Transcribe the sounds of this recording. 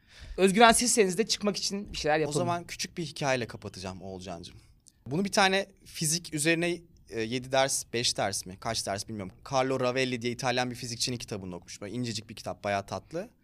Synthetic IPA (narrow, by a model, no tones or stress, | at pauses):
øzɟyɾænsizsenizd̪ɛt͡ʃʰɯ̥kmaki̥t͡ʃʰinbiʃejlʲæɾjaozaamancʰy̥t͡ʃʰyc̚biɦicʰaːjelʲɛkʰapʰat̪ʰɯd͡ʒamo̞lˠd͡ʒa̰nd͡ʒɯm | bunubit̪ʰaːnɛ | fizicʰyze̞ɾinɛː | je̞d̪id̪æɾsb̥ɛʃd̪æɾsmikʰat͡ʃd̪æɾsbilʲmijoɾumkʰaɾlˠo̞ɾavɛlʲːid̪ijɛit̪ʰalʲjanbifizic̚t͡ʃʰinincʰi̥t̪ʰabɯno̞kmu̥ʃmuind͡ʒed͡ʒic̚biɾcʰi̥t̪ʰap̚b̥ajaːt̪ʰat̪lˠɯ